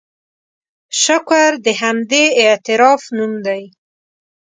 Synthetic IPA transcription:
ʃakʷaɾd̪əɦamd̪eːt̪ɪɾɑfnumd̪aj

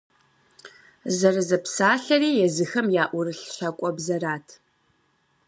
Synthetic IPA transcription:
zɐrɨzɐpsaːɬɐriːjɛzɨxɐmjaːʔʷʊrɨɬɕɐkʷʼɔbzɐraːtʰ

